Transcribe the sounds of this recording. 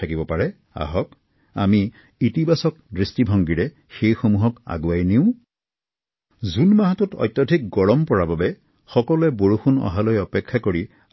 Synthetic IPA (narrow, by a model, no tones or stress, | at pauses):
akibɔpaɹɛ | a̰ɦɔk | a̰miː | tibasɔk̚dɹistibʱɔŋɡiɹɛ | xejxomuɦɔka̰ɡuajniʊ̃ | zunmaɦatutɔ̰jt̪ːɔdʱik̚ɡɔɹɔmpɔɹababɛ | xɔkɔlʊɛboɹuxunɔ̰ɦalojɔpɛkʰːakoɹi